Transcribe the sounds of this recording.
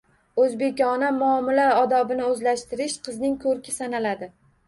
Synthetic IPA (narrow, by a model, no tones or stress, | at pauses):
ɵzbe̞kʲɒnamʊɒmɪlaɒd̪ɒbɪnɪɵzlaʃt̪ɪɾɪʃqʰɨznɪŋkʰɵɾkʲʰɪsanalad̪ɪ